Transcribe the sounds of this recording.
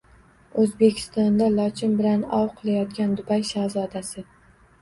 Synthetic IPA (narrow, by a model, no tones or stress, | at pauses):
ɵzbe̞kʲʰɪ̥st̪ɒnd̪alˠɒt͡ʃʰɪnbɪlanɒ̰wqʰɨlˠajɒt̪kʲand̪ʊbajʃazɒd̪asɪ